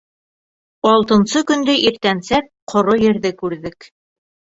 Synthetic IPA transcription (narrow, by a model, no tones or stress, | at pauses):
ɑlˠt̪ɤ̆nsɤkɵ̆nd̪ɘʔiɾt̪ænsæp̚qʰŏɾojɘ̆ɾðɘkʉɾðɘk